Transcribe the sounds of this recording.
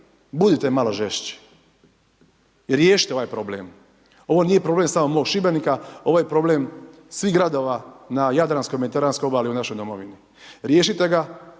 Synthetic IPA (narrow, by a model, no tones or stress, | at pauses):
bud̪it̪emalo̞ʒeʃt͡ɕi̥ | ɾjeːʃit̪eoʋaːjpɾo̞blḛːm | o̞ʋo̞nije̞pɾo̞blemsamomo̞ːɡʃibenikao̞ʋojepɾo̞bleːm | sʋiɦɡɾad̪o̞ːʋanajad̪ɾanskojmed̪it̪eɾaːnskojobaːliunaʃo̞jd̪o̞moʋini | ɾje̞ːʃit̪e̞ɡa